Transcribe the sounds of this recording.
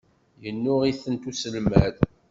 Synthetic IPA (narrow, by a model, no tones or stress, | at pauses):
jənːʊʁiθənt̪usəlmæð